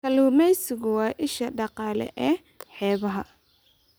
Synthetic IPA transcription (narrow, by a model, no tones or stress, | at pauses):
kʰɐluːmɛjsɪɣʊwɑːʔɪʃɐɖɑqɑːlɛ̰ʔɛː | ħɛːβɐɦɐ